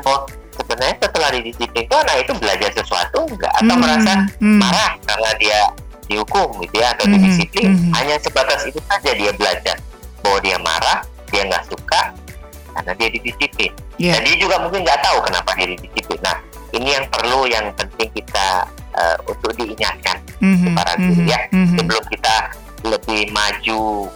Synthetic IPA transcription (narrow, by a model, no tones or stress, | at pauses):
bawa | səbənarɲasət̪əlahdidisiplɪnt̪oanahit̪ubəlad͡ʒarsəsua̰t̪uŋɡa̰ʔa̰t̪awməɾasamaɾahkaɾənadia | dihukʊmɡit̪ujaat̪awdidisiplɪnɦaɲasəbat̪asit̪usad͡ʒadiabəlad͡ʒa̰rbawadiama̰ɾah | d̥iaŋɡa̰ʔsukaʔ | ka̰rənadiadidisiplɪndandiad͡ʒuɡamuŋkɪnɡaʔt̪aukənapadiadidisiplɪnːa̰h | inijaŋpərlujaŋpənt̪ɪŋkit̪a̰ | ʔə̰unt̪ʊk̚diːɲat̪̚kan | supa̰ɾa̰utjasəbəlʊmkit̪a | ləbɪhmad͡ʒu